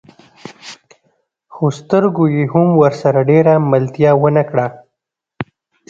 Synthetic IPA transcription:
xost̪əɾɡojeɦʊmwəɾsaɾaɖeɾaməlt̪jɑwənakɽa

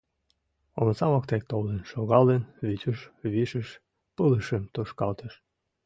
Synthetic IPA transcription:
omt͡sɑβɑkt̪ek̚t̪olənʃoɣɑlenβyt̪ʲəʃβiʃəʃ | pələʃemt̪oʃkɑlt̪əʃ

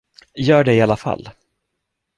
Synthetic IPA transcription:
jœːɖɛɪalːafa̰lː

